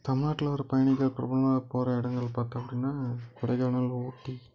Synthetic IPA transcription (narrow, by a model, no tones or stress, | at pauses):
t̪ɐmɪnaːʈːɪlɐʋɾpɐjɐɳɪkːɐɭpɪɾɐ̰bɐɭɐmaːpoːɾɐɪɽɐŋɡɐɭpaːɾt̪ːɐpːɐɽɪnːaːkɪɽɐɪɣaːɳɐloːʈːi